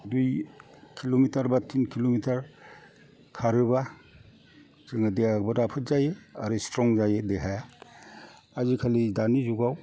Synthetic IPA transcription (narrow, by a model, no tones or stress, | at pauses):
dujkʰilomitaɾbatʰinkʰilomitʰaɾ | kʰaɾɯba | zɯŋadejaɡbɯɾapʰɯt̚zajeaɾɯstɾɔŋzajedeɦaja | azikʰalidanizuɡaw